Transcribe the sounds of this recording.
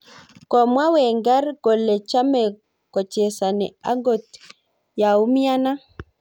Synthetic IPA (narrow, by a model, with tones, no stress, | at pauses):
kɔ˨mwa˦wɛ˨ŋɡa˦ɾɡɔ˨lɛ˨t͡ʃa˦mɛ˨ | kɔ˨t͡ʃɛ˨sa˨nɛ̰˨a˦ŋɡɔ˨t | ja˨u˦mi˦a˦na˦